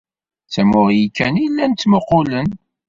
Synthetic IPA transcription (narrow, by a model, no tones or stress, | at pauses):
t͡sːæmʊʁjikːænijlːænt̪ːməqːʊlən